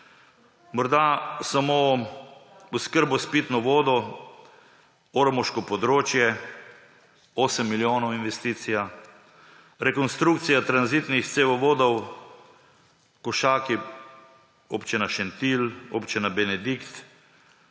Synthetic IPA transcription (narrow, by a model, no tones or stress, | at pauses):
mɔɾd̪asamo | uskəɾbɔspit̪nɔʋoːd̪ɔ | oɾɔmɔʃkɔpɔd̪ɾoːt͡ʃjɛ | oːsəmːiljoːnɔwinʋɛst̪iːt̪sija | ɾɛkɔnst̪ɾukt̪sijat̪ɾanzit̪nixt̪seʋɔʋoːd̪ɔw | kɔʃaːki | opt͡ʃinaʃɛnt̪iloːpt͡ʃinabɛnɛd̪ikt̪